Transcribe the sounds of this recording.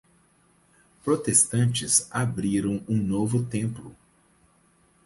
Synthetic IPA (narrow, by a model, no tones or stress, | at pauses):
pɾot̪est̪ɐ̃nt͡ʃɪsabɾiɾɐ̃w̃ũnovʊt̪ẽmplʊ